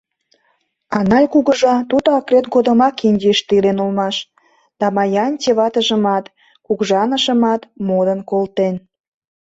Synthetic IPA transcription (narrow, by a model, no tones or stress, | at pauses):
ɑnɑjkuɣəʒɑt̪ud̪əɑkret̪ɡod̪ə̆mɑkinʲdʲiʃt̪ilenulmɑʃ | d̪̥ɑmɑjɑnʲtʲeβɑt̪əʒə̆mɑt̪ | kuɣʒɑnə̆ʃə̆mɑt̪mod̪ənkolt̪en